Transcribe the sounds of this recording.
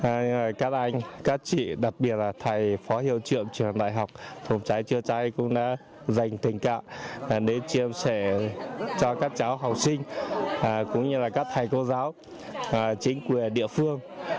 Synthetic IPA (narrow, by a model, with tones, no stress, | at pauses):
və˨˩jkaː˦˥k̚ʔa˧jŋ̟kaː˦˥k̚t͡ɕḭ˧˨ɗa˨˩t̚ɓi˨˩ət̚laː˨˩t̪ʰa˨˩jfɔ˨˦hḭ˧˨əwt͡ɕɨ̰˧˨əmt͡ɕwi˨˩ənɗa̰ː˧˨jɦa˨˩wk͡p̚fə˨˩wŋ͡mt͡ɕa˨˦jt͡ɕɨ˧ət͡ɕa˧jkʊ̰˧˥ŋ͡mɗa̰ː˧˥ | za˨˩jŋ̟t̪ï˨˩ŋ̟ka̰ː˧˨m˨˩ɗe˨˦t͡ɕi˧əmsɛ˧˩t͡ɕɔ˧kaː˦˥k̚t͡ɕaː˨˦wɦa˨˩wk͡p̚sï˧ŋ̟˨˩ | kʊ̰˧˥ŋ͡mɲɨ˧laː˨˩kaː˦˥k̚t̪ʰa˨˩jko˧zaː˨˦w | t͡ɕï˨˦ŋ̟kwi˨˩əɗḭ˧˨əfɨ˧əŋ